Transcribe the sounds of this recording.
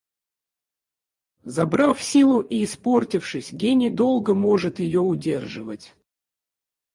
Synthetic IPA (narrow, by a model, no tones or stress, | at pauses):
zɐbɾafsʲilˠʊʔiːsportʲɪfʂɨsʲɡʲenʲɪd̪o̞lˠɡəmo̞ʐɨt̪jɪjoʊdʲerʐɨvətʲ